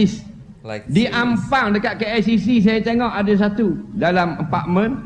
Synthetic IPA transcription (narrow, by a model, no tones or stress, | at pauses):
is | diʔampaŋdəkat̪̚kəɛsisis̬ajat̪eŋɔʔadas̬at̪udalaməmpa̰ʔ̚mə̃n